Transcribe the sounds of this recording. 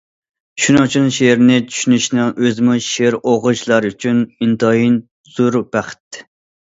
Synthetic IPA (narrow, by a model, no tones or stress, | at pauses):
ʃunɨŋt͡ʃʰunʃeɾnɪt͡ʃʰy̥ʃynyʃnɪŋøzɪmuʃeɾoʁʊt͡ʃlˠɑɾyt͡ʃʰynint̪ʰɑin | z̥uɾb̥æχɪ̥t̪ː